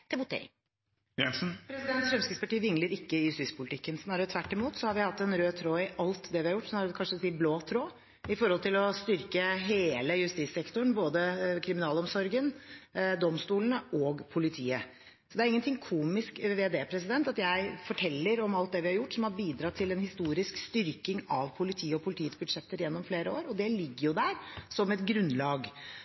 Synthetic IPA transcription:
t̪ɪbʊt̪ḛ | jɛnsn̩pʰɾɛsɪd̪ɛnt̪ʂɛmskɪspɑʈiːʋɪŋləɾɪkːəjʉst̪iːspʰʊlɪt̪ʰɪkːənsnɑːɾət̪ʰʋæʈːɪmuːt̪sɔhɑɾʋɪhɑt̪ːɛnɾøːt̪ʰɾoːɪʔɑlt̪d̪ɛʋɪhɑɾjʊʈːsɔmhɑɾkʰɑnʂəsiːbloːt̪ʰɾoː | ɪfɔɾhɔlt̪ɪlɔst̪ʏɾkəɦeːləjʉst̪iːsɛkt̪ʊɳ̩boːd̪əkʰɾɪmɪnɑːlɔmsɔɾɡənd̪ɔmst̪uːlənəʔɔːɡpʰʊlɪt̪ʰḭːə̰ | sɔd̪ɛæɾɪŋːənt̪ʰɪŋːkʰuːmɪskʋeːd̪eːpʰɾɛs̬ɪd̪ɛnt̪ɑt̪jæɪfɔʈʰɛlːəɾɔmɑlt̪̚d̪ɛʋɪhɑɾjʊʈːsɔmhɑɾbiːd̪ɾɑt̪ʰɪlɛnhɪst̪uːɾɪskst̪ʏɾkɪŋɑʋpʰʊlɪt̪ʰiːəɔpʰʊlɪt̪ʰiːɛt̪sbʉd̪ʂɛt̪ːət̪jɛnːɔmfleːɾəo̰ːɾɔd̪ɛlɪɡːəɾjʊd̪æɾsɔmɛt̪ɡɾʉnːlɑːɡ

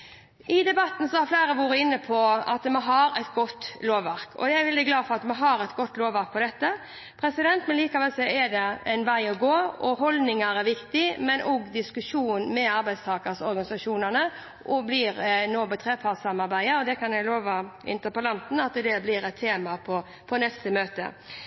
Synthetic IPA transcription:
ɪd̪ɛbɑt̪ːn̩sɔhɑɾfleːɾəʋuːɾəɪnːəpʰɔɑ̰t̪mɛɦɑɾɛt̪ɡɔt̪ːloːʋːæɾkʰɔ̰d̪ɛæɪʋɛld̪ɪɡlɑːfɔɾɑt̪mɑɦɑɾɛt̪ɡɔt̪ːloːʋæɾk̚pʰɔd̪ɛt̪ːə | pʰɾɛsɪd̪ɛnt̪mɛnliːkɑʋɛlsɛɛd̪ɛæɪnʋæɪɔɡoːɔɦɔld̪nɪŋɑɾæɾʋɪkt̪ɪmɛnʔoɡd̪ɪskʉʂuːnmɛɑɾbæɪst̪ʰɑːkəsɔɾɡɑnɪsɑʂuːnənə | ʔɔblɪɾnoːbɛt̪ʰɾeːpʰɑːt̪sɑmɑɾbæɪəɔd̪ɛkʰɑnjæɪloːʋɑɪ̰nt̪əpəlɑnt̪n̩ɑt̪̚d̪ɛd̪ɛblɪɾɛt̪ʰːeːmɑpʰɔ | pʰɔnɛst̪əmøːt̪ə̰

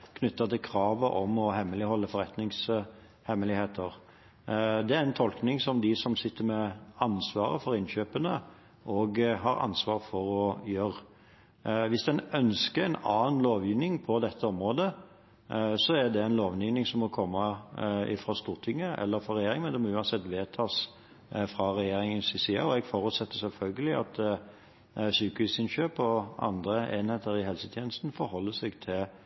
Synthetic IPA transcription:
kʰnʉt̪ːɑt̪ʰɪlkʰɾɑːʋəʔɔmɔhɛmːəlɪhɔlːəfɔɾɛt̪nɪŋs | hɛmːəlɪheːt̪ʰəɾ | d̪ɛæɾɛnt̪ʰɔlknɪŋsɔmd̪ɪsɔmsɪt̪ːəmɛɑnsʋɑ̰ːɾə̰fɔɾɪnɕøːpənə | ʔɔɡɦɑɾɑ̰nsʋɑːʁfɔɾɔjøːɾ | ʋɪsd̪ɛnœnskəɛnɑ̰ːnloːʋjiːʋnɪŋpʰɔd̪ɛt̪ʰːəɔmɾoːd̪ə | sɔæd̪ɛæɪnloːʋniːʋnɪŋsɔmːɔkʰɔmːɑɪ̰fɾɑst̪uːʁt̪ʰɪŋːəɛ̰lːəɾfɔɾɛjeːɾɪŋmɛnd̪ɛmɔʉːɑnsɛt̪ːʋeːt̪ʰɑːs | fɾɑɾɛjeːɾɪŋənsɪsiɑɔɛɡfɔɾʉt̪sɛt̪ːəsɛlfœlɡəlɪɑ̰t̪ | syːkʋisɪnɕøːpɔɑ̰nd̪ɾʁəeːnheːt̪əɾɪhɛlsət̪ʰjeːnəst̪n̩fɔɾhɔlːəsɛɡt̪ʰɪl

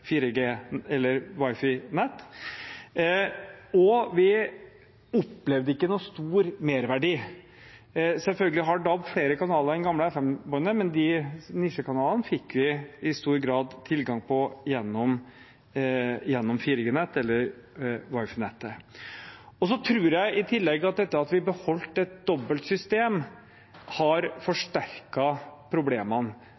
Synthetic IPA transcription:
fiːɾəɡeːɛlːəɾʋɑɪfɪnɛt̪ː | ɔʋɪ | ɔpːlɛʋd̪əɪkːənuːst̪uːɾmeːɾʋæɖiː | sɛlfœlɡəlɪɦɑɖɑbfɽeːɾəkɑnɑːləɾɛnɡɑmləɛfɛmbœnəmɛnd̪ɪnɪʂəkʰɑnɑːlnəfɪkːʋɪɪst̪uːɾɡɾɑːd̪t̪ʰːɪlɡɑŋpʰɔjɛnːɔm | jɛnːɔmfiːɾɪɡənɛt̪ːɛlːəɾ | ʋɑɪfnɛt̪ːə | ɔs̬ɔt̪ʰɾʉːɾjæɪʔɪt̪ʰɪlːɛɡːəɑt̪̚d̪ɛt̪ːəɾɑt̪ʋɪbəhɔlt̪ɛt̪̚d̪ɔbːəlt̪sʏst̪eːm | hɑɾfɔʂʈæɾkɑpʰɾʊbleːmən

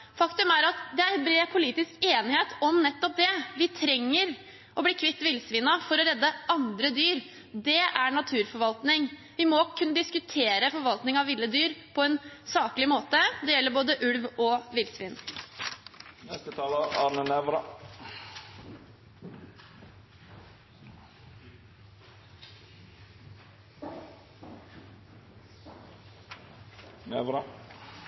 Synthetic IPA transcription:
fɑkt̪ʉmæɾɑt̪d̪ɛæɾnbɾeːpʰʊliːt̪ɪskeːnɪheːt̪ɔmnɛt̪ːɔp̚d̪ɛʋɪt̪ʰɾɛŋːəɾ | ʔɔbliːkʰʋɪt̪ːʋɪlsʋɪnɑfɔɾɔɾɛd̪ːəɑnd̪ɾəd̪yːɾ | d̪ɛæɾɳɑt̪ʰʉːɾfɔɾʋɑlt̪nɪŋ | ʋɪmɔkʰʉnːəd̪ɪskʉt̪ʰeːɾəfɔɾʋɑlt̪nɪŋɑʋɪlːəd̪yːɾpʰɔɛnsɑːklɪmoːt̪əd̪ɛjɛlːəɾboːd̪əʔʉɽʋɔʋɪlsʋɪn | nɛst̪ət̪ʰɑːləɑɾnənɛʋɾɑ | nɛʋɾɑ

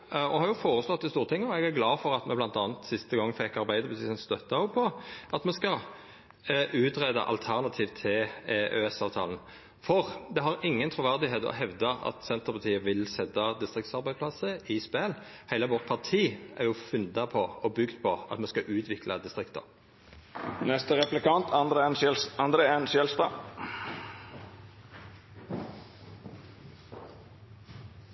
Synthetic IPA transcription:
ɔhɑɾjʊfoːɾəslɔt̪ːɪst̪uːʁt̪ʰɪŋːəɔɛɡæɾɡlɑːfɔʁɑt̪mɛblɑnt̪ɑːnt̪sɪst̪əɡɑŋːfɛkːɑɾbæɪd̪əbəsɪsənst̪œt̪ːɑɔpʰɔʔɑt̪mɛskɑ | ʔʉːt̪ɾed̪ɑ̰ʔɑ̰lt̪ʰæʁnɑt̪ʰiːʋt̪ʰɪlø̰ːɛsɑːʋt̪ʰɑ̰ːln̩ | fɔʁd̪ɛɦɑɾɪŋːənt̪ʰɾʊʋæʁd̪ɪɦeːt̪ɔ̰ɦɛʋd̪ɑɑ̰t̪sɛnt̪əʁpʰɑt̪ʰiːəʋɪlsɛt̪ːɑd̪ɪst̪ʁɪkt̪sɑʁbæɪdspʰlɑsəɪspɛlhæɪləʋɔʁt̪̚pʰɑʁt̪ʰiːʔɛ̰ʁjʊfʉnd̪ɑpʰɔɔbʏɡd̪pʰɔɑ̰t̪mɛskɑʔʉːt̪ʰʋɪklɑd̪ɪst̪ʁɪkt̪ə̰ʁ | nɛst̪əɾɛplɪkʰɑnt̪ɑnd̪ɾənɑnd̪ɾəɛnʃɛlspə

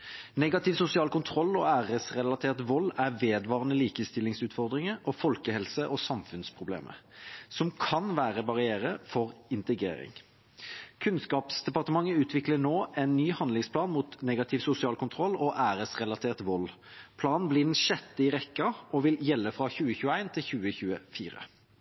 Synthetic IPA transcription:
nɛɡɑt̪ɪʋsʊsɪɑːlkʰʊnt̪ʰʁɔlːɔæːʁəsʁɛlɑt̪ʰeːʁt̪ʋɔlːæʁʋeːd̪ʋɑːʁənəliːkəst̪ɪlɪŋsʉːt̪fɔʁd̪ʁɪŋəɾɔfɔlkəhɛlsəʔɔsɑmfʉnspʰʁʊblḛːmʔə̰sɔmkʰɑnʋæːʁəbɑʁɪeːʁəfɔʁɪnt̪əɡʁḛːɾɪ̰ŋ | kʰʉnskɑːpsd̪ɛpɑʁt̪əmɑŋːəʉːt̪ʰʋɪklənoːɛnːyːhɑnd̪lɪŋspʰlɑːnmuːt̪neːɡɑt̪ʰɪʋsʊsɪɑːlkʊnt̪ʰʁɔlːɔʔæːʁəsʁɛlɑt̪ʰeːʁt̪ʋɔlː | pʰlɑːnn̩bliːd̪ɛnʃɛt̪ːəɪʁɛkːəɔʋɪljɛlːəfʁɑçʉːəçʉːəæɪnt̪ʰɪlçʉːəçʉːəfiːʁə̰

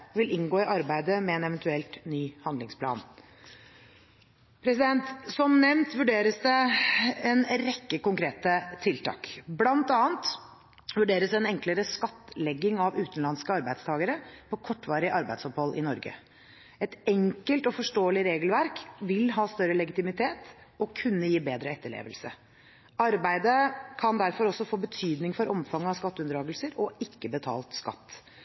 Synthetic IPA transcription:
ʋɪlɪŋɡoːɪʔɑɾbæɪd̪əmɛɛnɛʋɛnt̪ʉɛlt̪nyːhɑnd̪lɪŋspʰlɑ̰ːn | pʰɾɛsɪd̪ɛnt̪sɔmnɛmnt̪ʋʉɖeːɾəsd̪ɛ | ɛnɾɛkːəkʊŋkʰɾeːt̪ət̪ʰɪlt̪ʰɑ̰ːkblɑnt̪ɑːənt̪ | ʋʉɖeːɾəsd̪ɛnɛŋkləɾəskɑt̪ːlɛɡːɪŋɑʋʉːt̪n̩lɑnskəɑɾbæɪd̪st̪ʰɑːɡəɾəpʰɔkʰɔʈːʋɑːɾɪəʔɑɾbæɪd̪sɔphɔlːʔɪ̰nɔɾɡə̰ | ɛt̪ɛŋkəlt̪ɔfɔʂʈoːəlɪɾeːɡəlʋæɾkʋɪlɦɑːst̪œɾəlɛɡɪt̪ɪmɪt̪ʰeːt̪ɔkʰʉnːəjiːbeːd̪ɾəɛt̪ːəɭḛːʋə̰lsə̰ | ɑɾbæɪd̪əkʰɑnd̪æɾfɔɾɔsːɔfoːbət̪ʰyːd̪nɪŋfɔɾʔɔmfɑŋːɑʋskɑt̪ːʉnd̪ɾɑːɡəlsəɾɔɪkːəbət̪ʰɑ̰ːlt̪skɑ̰t̪ː

